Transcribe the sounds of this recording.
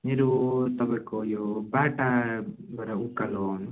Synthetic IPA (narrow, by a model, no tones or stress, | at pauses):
meɾot̪ʌpaĩkojobaʈa | baɾaukːaloɦn